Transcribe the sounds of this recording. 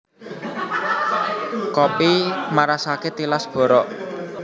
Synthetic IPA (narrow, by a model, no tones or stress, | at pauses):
kɔpimaɾasaket̪ilasb̥ɔ̤ɾɔʔ